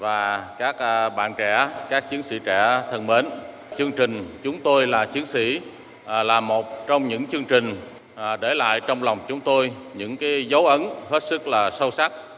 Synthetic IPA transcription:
vaː˨˩kaː˦˥k̚ːɓa̰ː˧˨nt͡ɕɛ̰˧˩kaː˦˥k̚t͡ɕɨ˨˦ənsḭ˧˩˥t͡ɕɛ̰˧˩t̪ʰə˨˩nɓe˨˦n | t͡ɕɨ˧əŋt͡ɕï˨˩ŋ̟t͡ɕʊ˨˦ŋ͡mt̪o˧jlaː˨˩t͡ɕɨ˨˦ənsḭ˧˥˨ | laː˨˩mo˨˩t̚t͡ɕɔ˧wŋ͡mɲɨ̰˧˥ŋt͡ɕɨ˧əŋt͡ɕï˨˩ŋ̟˨˩ | ɗe˧˩la̰ː˧˨jt͡ɕɔ˧wŋ͡mlɔ˨˩wŋ͡mt͡ɕʊ˨˦ŋ͡mt̪o˧j | ɲɨ̰˧˥ŋkaː˨˦jzə˨˦wʔə˨˦nhe˦˥t̚sɨ˦˥k̚laː˨˩sə˧wsa˦˥k̚

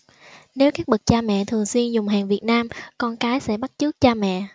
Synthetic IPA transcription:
ne˨˦wkaː˦˥k̚ɓɨ˨˩k̚t͡ɕaː˧mɛ̰˧˨t̪ʰɨ˨˩əŋswi˧ənzʊ˨˩ŋ͡mɦaː˨˩ŋvi˨˩ət̚naː˧mkɔ˧nkaː˨˦jsɛ̰˧˥ɓa˦˥t̚t͡ɕɨ˦˥ək̚t͡ɕaː˧mɛ̰˧˨

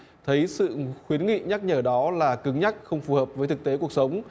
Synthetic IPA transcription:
t̪ʰə˨˦jsɨ̰˧˨xwi˨˦ənŋḭ˧˨ɲa˦˥k̚ɲəː˧˩ɗɔ˨˦laː˨˩kɨ˨˦ŋɲa˦˥k̚xə˧wŋ͡mfu˨˩həː˨˩p̚vəː˨˦jt̪ɨ˨˩k̚t̪e˨˦ku˨˩ək̚sə˨˦wŋ͡m

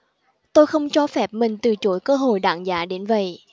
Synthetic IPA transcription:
t̪o˧jxə˧wŋ͡mt͡ɕɔ˧fɛ˨˩p̚mï˨˩ŋ̟t̪ɨ˨˩t͡ɕo˨˦jkəː˧ɦo̰˧˨jɗa̰ː˧˨ŋzaː˨˦ɗe˨˦nvə̰˧˨j

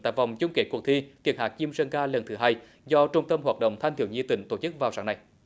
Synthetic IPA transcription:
ta̰ː˧˨jva˨˩wŋ͡mt͡ɕʊ˧ŋ͡mke˨˦˥kk̚t̪ʰi˧t̪ʰi˨˩nhɦaː˨˩k̚t͡ɕi˧əmsə˧nkaː˧lə˨˩nt̪ʰɨ˨˦ɦaː˧j | zɔ˧t͡ɕʊ˧ŋ͡mt̪ə˧mhwaː˨˩t̚ɗə̰˧˨wŋ͡mt̪ʰa˧ŋ̟t̪ḭ˧˩əwɲi˧t̪ï˧˨˦ŋ̟t̪o˧˩t͡ɕɨ˦˥k̚vaː˨˩wsaː˨˦ŋna˨˩j

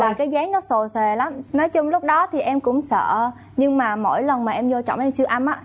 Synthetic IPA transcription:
vaː˨˩kaː˨˦jɣaː˨˦ŋnɔ˨˦so˨˩se˨˩la˨˦mnɔ˨˦jt͡ɕʊ˧ŋ͡mlʊ˦˥k͡p̚ɗɔ˨˦t̪ʰi˨˩ʔɛ˧mkʊ̰˧˥ŋ͡msə̰ː˧˨ | ɲɨ˧ŋmaː˨˩mo̰˧˥˩jlə˨˩nmaː˨˩ʔɛ˧mzo˧t͡ɕɔ̰˧˨wŋ͡mʔɛ˧mt͡ɕɨ˧əʔa˧mʔaː˧˦˥

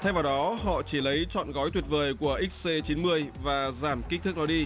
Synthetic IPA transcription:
t̪ʰa˧jvaː˨˩wɗɔ˨˦ɦɔ̰˧˨t͡ɕi˧˩lə˨˦jt͡ɕɔ̰˧˨nɣɔ˨˦jt̪wi˨˩ət̚vəː˨˩jku˧˩əʔi˦˥k̚se˧t͡ɕi˨˦nmɨ˧əjvaː˨˩zaː˧˩mki̟˦˥t̪ɨ˦˥k̚nɔ˨˦˥ɗi˧

